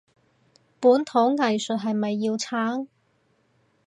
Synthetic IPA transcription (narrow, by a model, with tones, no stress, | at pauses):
puː˨˥nt̪ʰʊ˨˥ŋːɐ˨jsɵ˨t̚ɦɐ˨jmɐ˨jːiː˧wt͡sʰaː˥ŋ